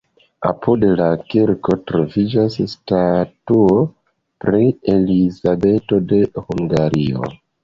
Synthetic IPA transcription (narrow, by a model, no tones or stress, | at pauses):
a̰pudlakiɾko̞tɾo̞vid͡ʒasstatuo | pɾielizabe̞to̞de̞huŋɡaɾio̰